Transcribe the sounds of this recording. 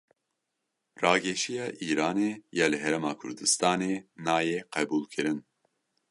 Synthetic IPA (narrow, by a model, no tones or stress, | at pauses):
rɑːɡɛʃijɑːʔiːɾaːneːjɑːlɨɦɛɾɛmɑːkʰʊ̰ɾd̪ɨst̪ɑːneːnaːjeqɛbuːlkʰɨɾɨn